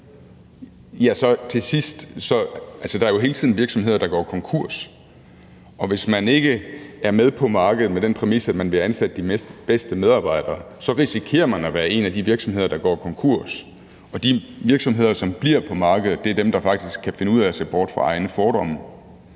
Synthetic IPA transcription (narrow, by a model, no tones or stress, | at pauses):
jæsɒ̽t͡sʰe̝sisd̥sɒ̽ælsəd̥ɑ̈æɐjo̝ɦe̝ːlt͡sʰið̰ˠnʋiɐɡ̥sɒ̽mɦe̝ð̰ˠɐd̥ɑ̈ɡ̥ɒ̰ːkʰɒ̽ŋkʰuɐ̰s | ʔɒ̽ʋe̝smæne̝ɡ̥əæɐmeð̞ˠpʰɒ̽mɑ̈ːɡ̥əð̞̩ˠmed̥enpʰʁɛmisæd̥mænʋe̝ænsæd̥əd̥ie̥b̥esd̥əmeð̞ˠɑ̈ːb̥ɑ̈ɪ̰d̥ɐːsɒ̽ʁisikʰe̝̰ːɐmænæʋæːɐe̝næd̥iʋiɐɡ̥sɒ̽mhe̝ð̰ˠɐd̥ɑ̈ɡ̥ɒ̰ːkʰɒ̽ŋkʰuɐ̰s | ɒ̽d̥iʋiɐɡ̥sɒ̽mɦe̝ð̞̰ˠɐsɒ̽mb̥liɐ̰pʰɒ̽mɑ̈ːɡ̥əð̞̩ˠd̥e̝æɐd̥emd̥ɑ̈fɑ̈ɡ̥d̥isɡ̥̚kʰːæfe̝nəuð̰ˠæɒse̝̰ːb̥ɒːd̥fʁɑ̈ɑ̈ɪnəfɒːɾ̥ɒ̽m̰